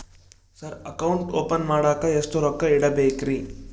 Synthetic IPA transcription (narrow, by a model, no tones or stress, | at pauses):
sɐɾɐkɐwɳʈoːpɐnmaːɽaːkɐest̪uɾɔkːɐiɽɐbeːkɾi